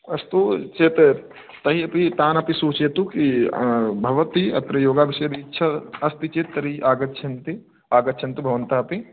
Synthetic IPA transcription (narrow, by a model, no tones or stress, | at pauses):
ɐst̪ut͡ʃeːt̪ | t̪ɐɦiɐpit̪aːnɐpisuːt͡ʃeːt̪uki | bʱɐʋɐt̪iɐ̰t̪ɾɐjoːɡaːbɪʃɐd̪iːtːʃʰɐɐst̪it͡ʃet̪ːɐɾiʔaːɡɐtːt͡ʃʰɐnt̪i | aːɡɐt͡ʃʰɐnt̪ubʱɐʋɐnt̪aɐpi